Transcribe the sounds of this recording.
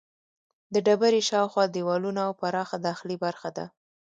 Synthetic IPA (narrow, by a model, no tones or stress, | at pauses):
d̪əɖabaɾiʃɑwxwɑd̪iwɑlunaawpaɾɑxad̪axlibaɾxad̪a̰